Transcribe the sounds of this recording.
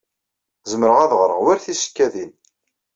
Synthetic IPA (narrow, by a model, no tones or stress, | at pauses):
zəməɾəʁæðʁɾˤə̰ʁwæɾθisə̥kːæðin